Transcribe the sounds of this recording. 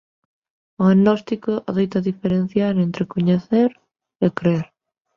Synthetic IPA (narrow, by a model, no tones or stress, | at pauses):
ʊanɔst̪ikoʔaðejt̪ɐðifeɾen̟θjaɾent̪ɾekoɲeθeɾ | ekɾeɾ